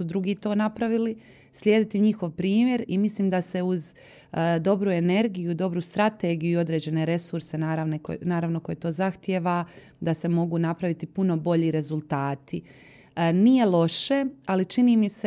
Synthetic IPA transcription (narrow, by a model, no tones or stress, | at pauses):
ud̪ɾuɡiːt̪o̞ːnapɾaʋili | slʲjeːd̪it̪iɲixo̞ʋpɾiːmje̞ɾimisliːmd̪ase̞uz | d̪o̞bɾue̞ne̞ɾɡijud̪o̞bɾust̪ɾat̪e̞ːɡijuio̞d̪ɾe̞ːd͡ʑe̞ne̞ɾe̞suɾse̞naːɾaʋneko̰naːɾaʋno̞ko̞jet̪o̞ːzaxt̪jeʋa | d̪ase̞mo̞ɡunapɾaʋit̪ipuno̞bo̞ʎiɾe̞zulˠt̪aːt̪i | nije̞lˠo̞ʃe̞alit͡ʃiniːmise